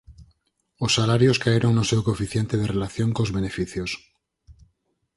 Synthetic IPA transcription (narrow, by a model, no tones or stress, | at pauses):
osːalaɾjoskaeɾʔoŋnosewkofiθjent̪eð̞erelaθjoŋkozβenefiθjos